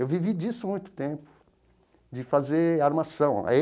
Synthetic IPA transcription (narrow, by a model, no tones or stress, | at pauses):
ewvivid͡ʒisʊmũj̃t̪ʊ̥t̪ẽpʊ̥ | d͡ʒɪfazeɾaɾmasɐ̃w̰̃